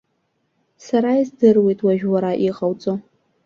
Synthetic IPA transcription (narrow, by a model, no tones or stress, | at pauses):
saɾaizdɨrwe̞jtʼwaʒᶣwaɾaʔiqʼawt͡sʼo